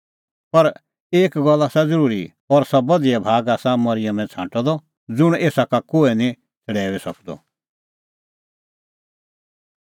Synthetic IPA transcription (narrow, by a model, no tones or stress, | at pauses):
pɐɾ | eːkɡɔlːasad͡zəɾuːɾḭ | ɔːɾsɐbɐd̪ijɛbʱaːɡaːsãmɐɾɪjəmɛ̃t͡sʰãːʈɔd̪ɔ | d͡zʊɽ̃eːsakakoːɛnĩ | t͡sʰəɽɛːʋɛsɐ̰kʰd̪ɔ̰